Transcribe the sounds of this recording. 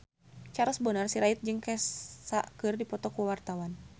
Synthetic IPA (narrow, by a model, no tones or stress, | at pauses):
t͡ʃaɾɔsbənarsiɾait̪̚d͡ʒɨŋkɛssakɨrdipɔt̪ɔkuwart̪awan